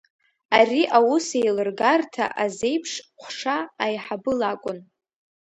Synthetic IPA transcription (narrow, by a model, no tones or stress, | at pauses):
ariʔawusejlɨrɡartʰa̰ʔaze̞jpʰʂqʷʰʂaːjħabɨlakʷʼʊn